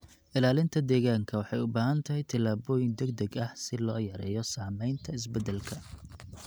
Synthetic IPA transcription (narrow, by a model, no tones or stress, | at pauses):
ʔɪlaːlɪnt̪ʰɐd̪ɛːɣaːŋkʰɐwɑħɑjʊbaːɦɐnt̪ʰɐɦɛjt̪ʰɐlaːβɔːjɪŋd̪ɛɡ̚d̪ɛɡɐhsɪlɔːjɐɾɛ̰ːjɔsaːmɛjnt̪ʰɐɪs̬bɛd̪ɛlkʰɐ